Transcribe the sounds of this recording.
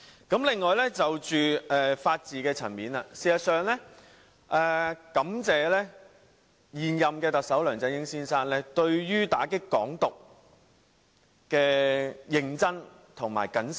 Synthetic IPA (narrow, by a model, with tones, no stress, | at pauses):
kɐ˨˥mlɪ˨ŋːɔː˨jlɛː˥t͡sɐ˨wt͡ʃyː˨ʔɛː˨faː˧t̚t͡siː˨kɛː˧t͡sʰɐ̰˨˩nmiː˨˥naː˧siː˨˩sɐ˨˩t̚sœː˨˧ŋlɛː˥ | ʔɛː˨kɐ˨˥mt͡sɛː˨lɛː˥ | jiː˨njɐ˨mkɛː˧t̪ɐ˨k̚sɐ˨˥wlœː˨˩ŋt͡sɛ˧njɪ˥ŋsiː˥nsaː˥nlɛː˥t̪ɵ˧ɥjyː˥t̪aː˨˥kɪ˥kːɔ̰ː˨˥ŋt̪ʊ˨k̚ | kɛː˧jɪ˨ŋt͡sɐ˥n | t̪ʰʊ˨˩ŋma̰ː˨˩jkɐ˨˥ns